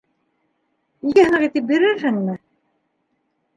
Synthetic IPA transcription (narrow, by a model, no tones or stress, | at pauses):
ijæh̆nɤʁit̪ɘp̚biɾɘɾɦɘŋmɘ